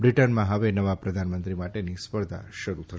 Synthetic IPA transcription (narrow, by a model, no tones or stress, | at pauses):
bɾiʈənmãɦəʋenəʋapɾəd̪ʱanmə̃nt̪ɾimaʈenispəɾd̪ʱa̰ʃəɾut̪ʰəʃ